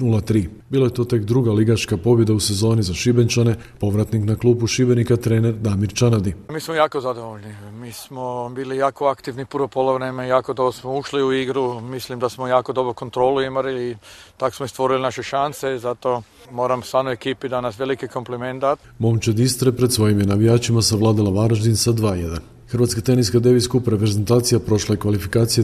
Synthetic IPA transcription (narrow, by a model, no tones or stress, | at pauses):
nulˠat̪ɾiːbiːlˠajet̪o̞ːt̪e̞kd̪ɾuɡaliɡat͡ʃkapo̞bje̞d̪ause̞zo̞ːnizaʃibent͡ʃane̞ | po̞ʋɾat̪niknaklˠuːbuʃibenikat̪ɾeːneɾd̪amiɾt͡ʃanad̪imiːsmojaːkozad̪o̞ʋoʎnimiːsmobiːlijaːkoakt̪iʋnipuɾopolˠoʋɾemejaːko̞d̪obɾosmouʃliuiɡɾumislimd̪asmojaːko̞d̪obɾokont̪ɾoluimaɾilːt̪ako̥smoist̪ʋo̞ɾilinaʃeʃansezat̪o | moːɾamsʋaːd̪noekiːpid̪anasʋelikiko̞mplement̪a | momt͡ʃed̪ist̪ɾepɾed̪sʋo̞jimjenaʋijaːt͡ʃimasaʋlˠaːd̪alˠaʋaɾaʒd̪insad̪ʋaːjed̪an | xɾʋaːt̪skat̪e̞niskad̪eʋiskupɾepɾeze̞nt̪aːt̪sijapɾo̞ʃlaekʋalifikaːt̪sije